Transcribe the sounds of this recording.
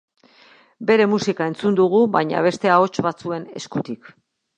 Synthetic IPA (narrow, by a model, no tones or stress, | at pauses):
be̞ɾe̞musikae̞nt͡sund̪uɣ̞uβajɲa̰β̞e̞st̪e̞ao̞t͡ʃβat͡sue̞ne̞̰skut̪ik